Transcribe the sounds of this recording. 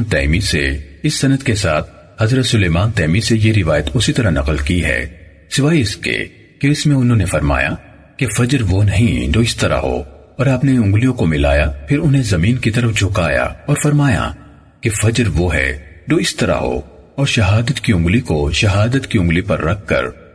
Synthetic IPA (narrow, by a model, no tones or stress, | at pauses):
nt̪ɛːmisḛɪsːɐnəd̪kesa̰ːt̪̚ʰ | hɐzɾət̪sʊleːmaːnt̪ɛːmisejeɾɪʋaːjət̪ʊsit̪ɐɾanɐ̰qəlkiɦɛ̰ː | sɪʋaːiɪskḛ | keɪsmẽʊnɦõnefɐɾma̰ːja̰ | kefɐd͡ʒɾʋonɐɦĩd͡ʒoːɪst̪ɐɾa̰ɦo̰ː | ɔːɾɐpneʊ̃ŋɡlijõkomɪla̰ːjapʰɪɾʊnɦẽzɐmiːnkit̪ɐɾəfd͡ʒʰʱʊkaːja̰ɔːɾfɐɾmaːja̰ | kefɐd͡ʒɾʋoɦɛ̰d͡ʒoːɪst̪ɐɾa̰ɦo̰ː | ɔːɾʃɐɦaːd̪ət̪kiʊ̃ŋɡlikoʃɐɦaːd̪ət̪kiʊ̃ŋɡlipɐɾːɐkʰːɐ̰ɾ